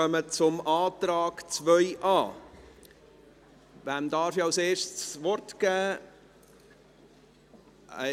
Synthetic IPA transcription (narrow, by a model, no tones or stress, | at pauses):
œmət͡sʊmɑːtɾɑːɡ̥t͡svœʏʔɑː | væmdɑːɾfiawseːɾʃtsvɔɾtɡ̥æː